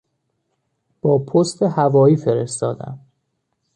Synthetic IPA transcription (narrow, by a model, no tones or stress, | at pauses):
b̥ɒːpʰost̪ʰehævɒːjiːfeɾe̞st̪ɒːd̪æ̰m